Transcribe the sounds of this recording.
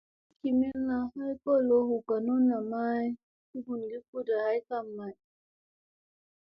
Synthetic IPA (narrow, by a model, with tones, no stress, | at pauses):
ki˨mɛ˦lna˨ha˦jko˦˨lo˦hu˨ka˨no˦na˨ma˦j | i˦ɡu˨nɡi˦ku˦da˨ha˦jka˦mːa˨j